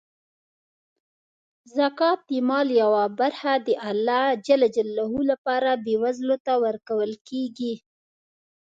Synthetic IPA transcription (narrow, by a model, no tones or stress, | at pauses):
zakɑt̪̚ːimɑljawabaɾhad̪əʔalːɑd͡ʒalad͡ʒalːahulapɑɾabewazlot̪awəɾkawəlkeɡi